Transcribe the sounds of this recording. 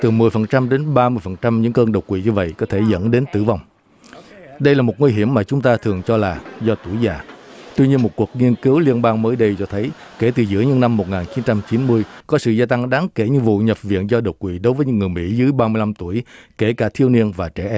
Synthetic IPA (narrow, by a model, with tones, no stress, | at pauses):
t̪ɨ˨˩mɨ˨˩əjfə˨˩nt͡ɕa˧mɗe˨˦nɓaː˧mɨ˧əjfə˨˩nt͡ɕa˧mɲɨ̰˧˥ŋkəː˧nɗə˨˩wkwḭ˧˨ɲɨ˧və̰˧˨jkɔ˨˦t̪ʰe˧˩zə̰˧˥nɗe˨˦nt̪ɨ̰˧˩va˨˩wŋ͡m | ɗə˧jlaː˨˩mo˨˩t̚ŋwi˧ɦi˧˩əmːaː˨˩t͡ɕʊ˨˦ŋ͡mt̪aː˧t̪ʰɨ˨˩əŋt͡ɕɔ˧laː˨˩zɔ˧t̪u˧˩əjzaː˨˩t̪wi˧ɲi˧ənmo˨˩t̚ku˨˩ək̚ŋi˧ənki˨˦əwli˧ənɓaː˧ŋməː˨˦jɗə˧jt͡ɕɔ˧t̪ʰə˨˦j | ke˧˩t̪ɨ˨˩zɨ̰˧˥əɲɨ̰˧˥ŋna˧mːo˨˩t̚ŋaː˨˩nt͡ɕi˨˦nt͡ɕa˧mt͡ɕi˨˦nmɨ˧əjkɔ˨˦sɨ̰˧˨zaː˧t̪a˧ŋɗaː˨˦ŋke˧˩ɲɨ̰˧˥ŋvṵ˧˨ɲə˨˩p̚vḭ˧˨ənzɔ˧ɗə˨˩wkwḭ˧˨ɗo˨˦jvəː˨˦jɲɨ̰˧˥ŋɨ˨˩əjmḭ˧˥zɨ˨˦əjɓaː˧mɨ˧əjla˧mt̪u˧˩əjke˧˩kaː˧˩t̪ʰi˧əwni˧ənvaː˨˩t͡ɕɛ˧˩ʔɛ˧˦m